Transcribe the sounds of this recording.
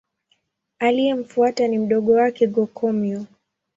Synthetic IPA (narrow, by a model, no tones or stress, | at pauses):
alijɛm̩fuatanim̩ɗɔɠɔwakɛɡɔkʰɔmjɔ